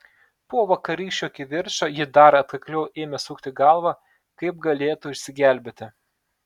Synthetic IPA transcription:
poːʋɐkɐɾʲiːʃʲt͡ʃʲuɐkʲɪʋʲɪɾʃɐjɪd̪ɐɾɐt̪kɐklʲɛʊʔeːmʲɛsuːkt̪ʲɪɡɑˑlˠʋɑ | kɐɪp̚ɡɐlʲeːt̪ʊɪʃʲsʲɪɡʲæˑlʲbʲet̪ʲɪ

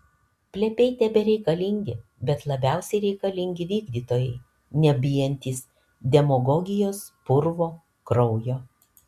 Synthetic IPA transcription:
pʲlʲɛpʲɛɪt̪ʲɛbʲɛɾʲɛɪkɐlʲɪŋʲɡʲɪbʲɛt̪lˠɐbʲæˑʊsʲɛɪɾʲɛɪkɐlʲɪŋʲɡʲɪʋʲiːɡd̪ʲiːt̪oːjɛɪ | nʲɛbʲɪjɛnʲt̪ʲiːs | d̪ʲɛmɔɡɔɡʲɪjoːspʊɾʋoː | kɾɔʊjoː

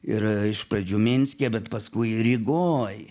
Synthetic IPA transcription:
ɪrɪʃprɐd͡ʒʲuːmʲɪnʲsʲkʲɛbʲɛt̪pɐskʊɪɾʲɪɡoːj

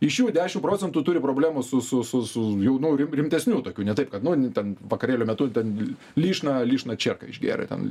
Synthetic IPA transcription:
ɪʃjuːdʲæːʃʲɪmpɾoːt͡sʲɛnt̪uːt̪ʊɾʲɪpɾoːbʲlʲæːmusʊsʊsʊsʊjɛʊnʊɾʲɪmɾʲɪmʲt̪ʲɛsʲnʲuːt̪oːkʲuːnʲɛt̪ɐɪp̚kɐt̪nʊnʲtʲɛnʋɐkɐɾʲeːlʲoːmʲɛt̪ʊt̪ʲɛn | lʲiːʃnɐlʲiːʃnɐt͡ʃʲɛrkɐ̰ɪʒʲɡʲḛːɾɐ̰t̪ʲɛ̰n

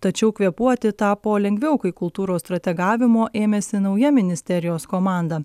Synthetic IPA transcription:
t̪ɐt͡ʃʲɛʊkʋʲiɛpuɔt̪ʲɪt̪ɑːpoːlʲɛŋʲɡʲʋʲɛʊkɐɪkʊlˠt̪uːɾoːst̪ɾɐt̪ʲɛɡɑːʋʲɪmoːʔeːmʲeːsʲɪnɐʊjɛmʲɪnʲɪsʲt̪ʲɛɾʲɪjoːskoːmɑːˑnd̪ɐ

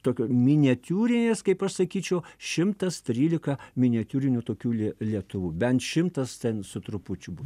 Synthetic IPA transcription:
t̪oːkʲoːmʲɪnʲɛt̪ʲuːɾʲɪnʲeːskɐɪpɐʃsɐkʲiːt͡ʃʲɛʊʃʲɪmt̪ɐst̪ʲɾʲiːlʲɪkɐmʲɪnʲɛt̪ʲuːɾʲɪnʲut̪oːkʲuːlʲlʲiɛt̪ʊʋuːbʲɛnt̪ʃʲɪmt̪ɐst̪ʲɛnsʊt̪ɾʊpʊt͡ʃʲʊbu

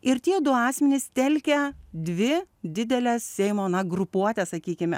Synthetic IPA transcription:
ɪɾt̪ʲiɛd̪ʊɑːsʲmʲɛnʲɪst̪ʲɛlʲkʲɛd̪ʲʋʲɪd̪ʲɪd̪ʲɛlʲɛssʲɛɪmoːnɐɡɾʊpuɔt̪ʲɛsɐkʲiːkʲɪmʲɛ

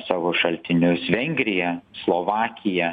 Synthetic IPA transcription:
sɑːʋoːʃɐlʲt̪ʲɪnʲʊsʋʲɛŋʲɡʲɾʲɪjɛslˠoːʋɑːkʲɪjɛ

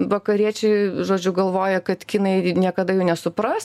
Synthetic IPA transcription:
ʋɐkɐɾʲiɛt͡ʃʲɛɪʒoːd͡ʒʲʊɡɐlˠʋoːjɛkɐt̪kʲinɐɪnʲiɛkɐd̪ɐjɛʊnʲɛsʊpɾɐst

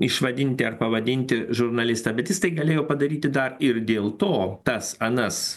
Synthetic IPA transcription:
ɪʃʋɐd̪ʲɪnʲt̪ʲɪɐɾpɐʋɐd̪ʲɪnʲt̪ʲɪʒʊɾnɐlʲɪst̪ɐːbʲɛt̪jɪst̪ɐɪɡɐlʲeːjoːpɐd̪ɐɾʲiːt̪ʲɪd̪ɐɾɪɾd̪ʲeːlˠt̪oːt̪ɐsɐnɐs

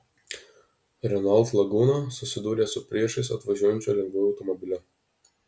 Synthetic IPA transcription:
ɾʲɛnɐlˠt̪lˠɐɡuːnɐsʊsʲɪd̪uːɾʲeːsʊpʲɾʲiɛʃɐɪsɐt̪ʋɐʒʲuɔjɛnʲt͡ʃʲolʲɛŋɡʋoːjʊɐʊt̪ɔmɔbʲɪlʲɛ

